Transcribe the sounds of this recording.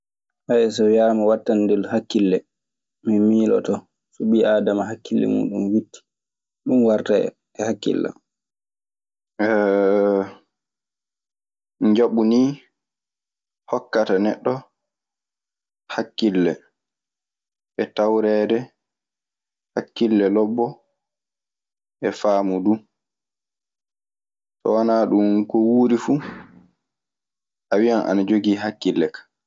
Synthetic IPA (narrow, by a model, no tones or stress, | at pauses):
haɛsɔjaɾmawatːanːdɛlhakːilːɛ | minmiːlɔ̰tɔ | suɓiadamaɦakːilːɛ̰mṵːɗumwitːi̥ | ɗumwaɾta̰ | ɛhakːḭlːa̰ | ɛ | d͡ʒaɓuniː | hɔkːatanɛ̰ɗːɔ | hakːilːɛ | ʔɛtawɾɛdɛ | hakːilːɛlɔbːɔ | ʔɛfaːmudu | sɔ̰wanaːɗumkɔwuːɾifu | ʔawijanʔa̰nad͡ʒoɡiːɦakːilːɛkḁ